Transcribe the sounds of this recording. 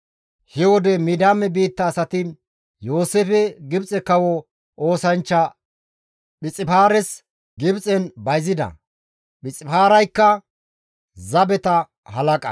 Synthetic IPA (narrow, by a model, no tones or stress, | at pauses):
hɛwɔd̪ɛmid̪aːmːɛbiːt̪ːɐːsɐt̪ɪ | jo̞ːseːfɛɡɪbt͡sʼɛkɐwɔ | oːsɐnt͡ʃːɐ | ɓɪt͡sʼːɪfaːɾɛs | ɡɪbt͡sʼɛnbɐjzɪd̪ɐ̰ | ɓɪt͡sʼɪfaːɾɐjkːɐ | zɐbɛt̪ɐ | hɐlɐkʼɐ̰